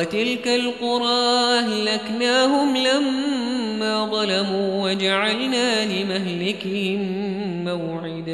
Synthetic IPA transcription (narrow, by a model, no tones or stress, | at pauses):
t̪ɪlkalqʊɾˤɑːhlaknaːɦʊmlamː | aːðˤɑlamuːwad͡ʒaʕalnaːlɪmaɦlɪkhɪmː | awʕɪd̪a